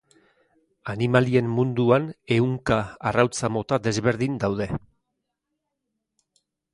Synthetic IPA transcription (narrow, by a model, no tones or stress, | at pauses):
animalie̞mːund̪uane̞uŋkaːrawt͡samo̞t̪ad̪e̞zβe̞ɾðind̪awð̞e̞